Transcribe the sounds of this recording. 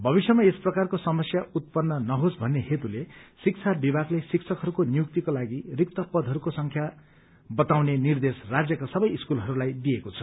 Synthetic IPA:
bʱʌbisjʌmaesprʌkarkosʌmʌsjaut̪̚pʌnːʌnʌɦosbʱʌnːehet̪ulesik̚t͡sʰabibʱaɡlesiksʰʌkɦʌɾukonijuk̚t̪ikolaɡirik̚t̪ʌpʌd̪ʱɦʌɾukosʌŋkʰja | bʌt̪awnenird̪esrad͡zjʌkasʌbʌjiskulɦʌɾulajd̪ijekot͡sʰʌ̥

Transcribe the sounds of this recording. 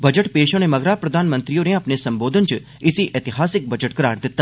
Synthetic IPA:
bɐd͡ʒəʈpeːʃõnemɐɡɾaːpɾɐd̪ʱaːnmə̃nt̪ɾijoneɐpnesɐ̃mboːd̪ʱənt͡ʃ | ɪsiʔeːt̪ɪɦaːsɪk̚bɐd͡ʒəʈkɐɾaːɾd̪ɪt̪ːa

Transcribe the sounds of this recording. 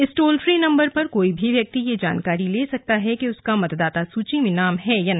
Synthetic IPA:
ɪsʈoːlfɾiːnɐ̃mbəɾpɐɾkoːibʱiʋjɐk̚t̪ijed͡ʒa̰ːnkaːɾileːsɐk̚t̪aɦɛkeʊskamɐt̪d̪aːt̪asuːt͡ʃĩmẽnaːmɦɛjana

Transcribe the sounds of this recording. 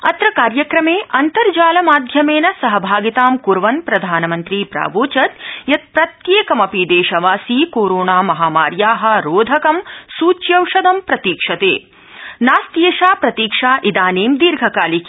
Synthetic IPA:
ɐt̪ɾɐkaːɾjɐkɾɐmeːʔɐnt̪ɐɾd͡ʒaːlɐmaːd̪ʱjɐmeːnɐsɐɦɐbʱaːɡit̪aːmkuɾʋɐnpɾɐd̪ʱaːnɐmɐnt̪ɾiːpɾa̰ːʋoːt͡ʃɐt̪jɐt̪̚pɾɐt̪jeːkɐmɐpid̪eːʃɐʋaːsiːkoːɾoːɳaːmɐɦaːmaːɾjaːɦɐ̆ɾoːd̪ʱɐkɐmsuːt͡ʃjɐwʂɐd̪ɐmpɾɐt̪iːkʂɐt̪ḛː | naːst̪jeːʃaːpɾɐt̪iːkʂaːʔid̪aːneːmd̪iːɾɡʱɐkaːlikː

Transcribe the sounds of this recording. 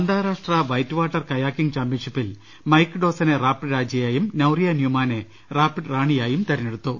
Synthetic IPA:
ɐnd̪aːɾaːʂʈrɐʋɐjtːʋaːʈːɐrkɐjaːkːiŋt͡ɕaːmpjinʂipːil | mɐjkːɖo̞ːsɐneraːpːɨɾaːd͡ʑɐjaːjumnɐwrijɐnjuːmaːne | raːpːɨʈraːɳijaːjumt̪ɐɾɐneɽut̪ːu

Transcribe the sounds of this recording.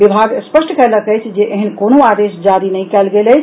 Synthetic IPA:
bibʱaɡspəsʈkɛləkəjt͡ʃʰd͡ʒeʔeɦənkonoad̪esd͡ʒaɾinəjkɛlɡeləjt͡ʃʰ

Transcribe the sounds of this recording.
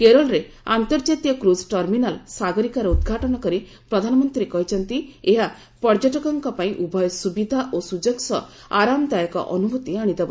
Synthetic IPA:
keɾɔɭɾe | ant̪ɔɾd͡ʒat̪jɔkɾusʈɔɾminalsaɡɔɾikaɾɔud̪ɡʱaʈɔɽ̃ɔkɔɾi | pɾɔd̪ʱanɔmɔnt̪ɾiɾekɔɦit͡ʃʰɔnt̪ieɦa | pɔɾd͡ʒɔʈɔkɔŋkɔpaĩʔubʱɔjɔsubid̪ʱaʔosud͡ʒɔksɔ | aɾamd̪ajɔkɔ̰ʔɔnubʱut̪iaɽ̃id̪ebɔ

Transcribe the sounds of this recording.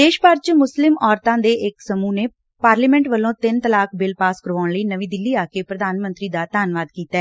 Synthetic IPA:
d̪eːʃpəɾt͡ʃmʊslɪmʔɔːɾt̪ãːd̪eːʔɪksəmuːneː | paːɾliːmɛ̃ːɳʈʋəlːõːt̪ɪnt̪əlaːkbɪlpaːskəɾʋaːɳləiːnəʋĩːd̪ɪlːiːaːkeːpɾəd̪aːnmənt̪ɾiːd̪aːt̪aːnʋaːd̪kiːt̪aɛː

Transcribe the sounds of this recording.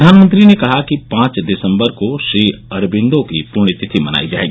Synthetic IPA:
d̪ʱaːnmə̃nt̪ɾinekɐɦakipãːt͡ʃd̪ɪsə̃mbəɾkoʃɾiːɐɾbɪ̃nd̪õkipʊɾɳ̃it̪ɪt̪ʰimɐna̰ːid͡ʒa̰ːḛːɡiː

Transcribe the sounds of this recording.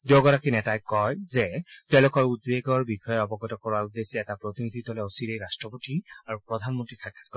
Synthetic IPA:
doɡɔɹakinɛtajkɔjzɛtɛ̃lʊkɔɹud̚beɡɔɹbixɔjɛɔbɔɡɔtɔkɔɹaudesɛɛtapɹotinidʱitɔlɛositejɹastɹɔpotiaɹupɹɔdʱanmɔntɹixʰakʰːḁtkɔ

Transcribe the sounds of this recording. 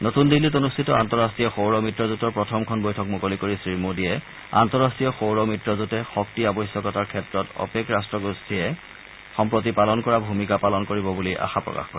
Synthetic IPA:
notundilːit̬onustʰitɔantɔɹastijɔxowɹɔmitɹɔzutɔɹpɹɔtʰɔmkʰɔnbojtʰɔk̚mukolikoɹisɹimodiɛ | a̰ntɔɹastɹiɔxowɹɔmitɹɔzutɛxɔk̚tiabɔjsjɔkɔtaɹkʰɛtɹɔtɔ̰pekɹastɹɔɡustʰiɛ | xɔmpɹot̬ipalɔnkɔɹabʱumikapalɔnkoɹibɔbuliʔa̰xapɹɔ̰ka̰xkɔ̰ɹɛ

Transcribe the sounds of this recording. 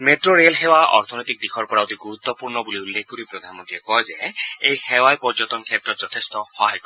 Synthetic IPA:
meʈɹoɹelxewaɔ̰ɹt̪ʰɔnɔjt̪ik̚d̪ikʰɔɹpɔɹaot̪iɡuɾut̪ːɔpuɹnɔbuliulːekkɔɾipɹod̪ʱanmɔont̪iɛkɔjzeejxewajpɔɹzɔt̪ɔnkʰjɛt̪ːɹɔt̪zɔt̪ʰest̪ɔhɔɦajkɔ

